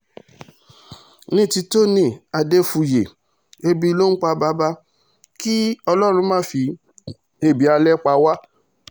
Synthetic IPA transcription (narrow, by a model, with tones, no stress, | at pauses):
nĩ˦˨ti˧to˦nĩ˦˨a˧de˦fu˧je˨ | e˧bi˧lo˦k͡pa˧ba˦ba˧˦ | ki˦ɔ˧lɔ˦ɾ̃ũ˧˦mãː˦fi˧ | e˧˨bi˨˦a˧lɛ˦k͡pa˧wa˦